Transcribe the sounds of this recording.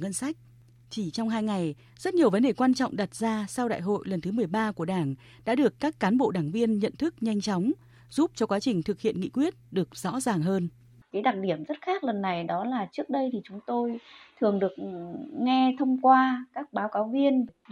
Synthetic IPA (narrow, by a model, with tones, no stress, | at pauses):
ŋə˧nsa˦˥jk̟̚ | t͡ɕi˧˩t͡ɕɔ˧wŋ͡mɦaː˧jŋa˨˩j | zə˦˥t̚ɲi˨˩əwvə˨˦nɗe˨˩kwaː˧nt͡ɕɔ̰˧˨ŋ͡mɗa˨˩t̚zaː˧sa˧wɗa̰ː˧˨jɦo̰˧˨jlə˨˩nt̪ʰɨ˨˦mɨ˨˩əjɓaː˧ku˧˩əɗaː˧˩ŋ | ɗa̰ː˧˥ɗɨ˨˩əkːaː˦˥kːaː˨˦nɓo̰˧˨ɗaː˧˩ŋvi˧ənɲə̰˧˨nt̪ʰɨ˦˥k̚ɲa˧jŋ̟t͡ɕɔ˨˦wŋ͡m | z̥u˦˥p̚t͡ɕɔ˧kwaː˨˦t͡ɕï˨˩ŋ̟t̪ʰɨ˨˩k̚hḭ˧˨ənŋḭ˧˨kwi˦˥ət̚ɗɨ˨˩ək̚z̥ɔ̰˧˥zaː˨˩ŋɦəː˧n | kaː˨˦jɗa˨˩t̚ɗi˧˩əmzə˦˥t̚xaː˦˥k̚lə˨˩nːa˨˩jɗɔ˨˦laː˨˩t͡ɕɨ˦˥ək̚ɗə˧jt̪ʰi˨˩t͡ɕʊ˨˦ŋ͡mt̪o˧jt̪ʰɨ˨˩əŋɗɨ˨˩ək̚ŋɛ˧t̪ʰə˧wŋ͡mkwaː˧kaː˦˥k̚ɓaː˨˦wkaː˨˦wvi˧ən